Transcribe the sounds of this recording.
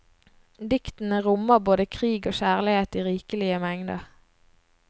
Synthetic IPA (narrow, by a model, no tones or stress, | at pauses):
d̪ɪkt̪n̩əʁʊməʁboːd̪əkʰʁiːɡoːʃæːʁlɪheːt̪iːʁiːkəlɪəmæŋd̪əʁ